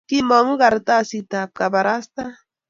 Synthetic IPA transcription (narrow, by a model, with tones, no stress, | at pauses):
ki˦mo˨ŋ˦ɣa˨ɾt̪a˦si˨t̪a˨p̚ka˨ba˨ɾa˦st̪a˦